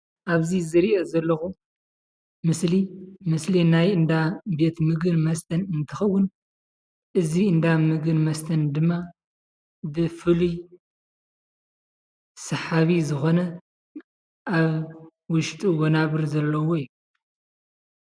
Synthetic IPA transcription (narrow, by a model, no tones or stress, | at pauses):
ʔaβzizɨɾiʔɐzɐlːɐxu | mɨslimɨslinajɨnd̪abe̞t̪mɨɡɨnmɐst̪ʰɐnɨnt̪ʰɨxɐwːʊn | ʔɨziɨnd̪amɨɡɨnmɐst̪ʰɐnd̪ɨmːa | bɨfɨluj | sɐħaβizɨxo̞nɐ | ʔaβ | wʊʃt̪ʼuwonaβɨɾzɐlːɐwoiju